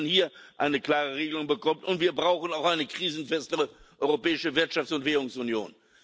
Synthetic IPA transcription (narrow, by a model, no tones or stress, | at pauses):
nhiːɐʔaɪnəkl̥aːʁəʁeːɡəlʊŋbəkʰɔmtʊntv̥iːɐbʁaʊxn̩aʊxʔaɪnəkʁ̥iːzn̩fɛstəʁəʔɔʏʁopɛːɪʃəvɪɐtʃaftt͡sʊntv̥ɛːʁʊŋsʊnjo̰ːn